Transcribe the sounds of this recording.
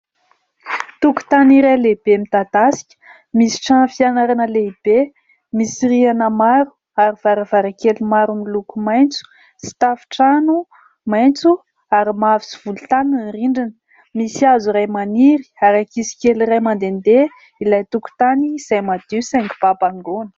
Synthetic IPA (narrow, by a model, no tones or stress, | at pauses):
t̪uku̥t̪aniɾajleb̥emit̪ad̪asi̥kʲə̥ | misi̥ʈ͡ʂanfianaɾanəleib̥e | misirianəmaɾu̥ | aɾiv̥aɾəvaɾəkelimaɾumilukumajnt͡su̥ | si̥t̪afi̥ʈ͡ʂanu | majnt͡su | aɾimavisi̥v̥ulut̪aninriɳɖ͡ʐinə̥ | misiazuɾajmaniɾi̥aɾakisi̥kʲeliɾajmand̪end̪e | ilajt̪uku̥t̪aniz̥ajmad̪̥isɛŋki̥b̥apaŋɡonə̥